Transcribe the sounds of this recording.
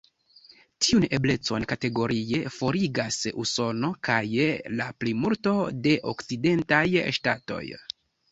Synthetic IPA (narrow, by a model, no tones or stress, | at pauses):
tiune̞ble̞t͡so̞nkate̞ɡo̞ɾie̞fo̞ɾiɡasṵso̞no̞kajlaplimulto̞de̞ʔo̰kt͡side̞ntajʃtato̞̰j